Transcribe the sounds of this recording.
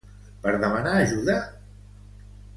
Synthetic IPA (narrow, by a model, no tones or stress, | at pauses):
pəɾðəmənaːʒuða